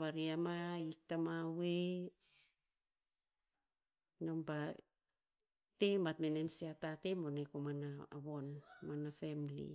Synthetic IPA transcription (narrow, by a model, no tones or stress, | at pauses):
βaɾiamaik̚tamawe | nampa | tematmenemsiatatemonekomanaːβo̞nmanafemlḭ